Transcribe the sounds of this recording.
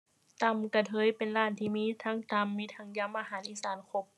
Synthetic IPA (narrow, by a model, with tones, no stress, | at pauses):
t̪a˧˩mka˧˩t̪ʰɤː˧˦˨jpe˨nlaː˧˩nt̪ʰiː˧˩miː˧˥˨t̪ʰaː˧˥ŋt̪a˧mːiː˧˥t̪ʰa˧˥ŋja˧˩mːa˧ɦaː˨˦nʔiː˧˥˨saː˨˦nkʰo˧˦p̚